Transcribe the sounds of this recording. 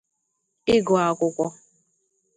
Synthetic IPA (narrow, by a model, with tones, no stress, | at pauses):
ɪ˦ɡɔ˨a˨kʷʊ˦kʷɔ˦